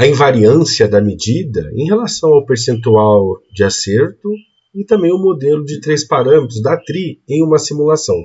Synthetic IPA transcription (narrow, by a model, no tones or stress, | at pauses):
ɐĩvaɾiɐ̃siɐd̪ɐmed͡ʒid̪ɐ̰ḛ̃j̃ɦelasɐ̃w̃awpeɾsẽnt̪uawd͡ʒɪaseɾt̪ʊ | ɪt̪ɐ̃mbẽj̃ʊmod̪elʊd͡ʒɪt̪ɾespaɾɐ̃met̪ɾʊzd̪at̪ɾiẽj̃ũmɐsimulasɐ̃w̃